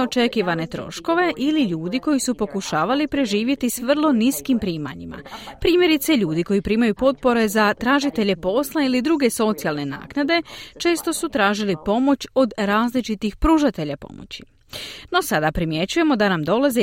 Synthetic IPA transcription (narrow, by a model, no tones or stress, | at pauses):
o̞t͡ʃe̞kiʋane̞t̪ɾo̞̰ʃko̞ʋe̞ʔiliʎuːd̪iko̞jisupo̞kuʃaːʋalipɾe̞ʒiːʋje̞t̪isʋr̩lˠo̞niskimpɾiːma̰ɲima̰pɾiːmje̞ɾit̪seʎuːd̪iko̞jipɾiːmajupo̞t̪̚po̞ɾe̞zat̪ɾaːʒit̪e̞ʎe̞po̞slˠailid̪ɾuɡe̞so̞t̪sijalˠne̞na̰ːknad̪e̞t͡ʃe̞ːst̪o̞sut̪ɾaːʒilipo̞mo̞t͡ɕo̞d̪ɾaːzlit͡ʃit̪ixpɾuːʒat̪e̞ʎapo̞̰mo̞̰t͡ɕi̥ | no̞sad̪apɾimje̞t͡ɕuje̞mo̞d̪anamd̪o̞laze